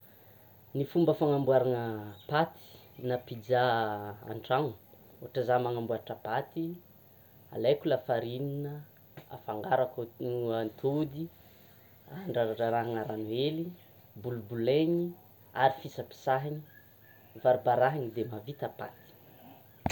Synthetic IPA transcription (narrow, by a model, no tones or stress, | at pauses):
nifumbəfaŋambuaɾanəpat̪i̥napid͡zaa̰ɳʈ͡ʂaŋu | oaʈ͡ʂazamaŋambuaɾaʈ͡ʂəpat̪i | a̰lajkulafaɾininə | a̰faŋɡaɾakant̪ʰod̪i | aɳɖ͡ʐaaʈ͡ʂaɾaɦaŋaɾanueli | bulubuleɲi | aɾifisəpi̥saɦiɲi | vaɾibaɾaɦaɲid̪emavit̪apa̰t̪i̥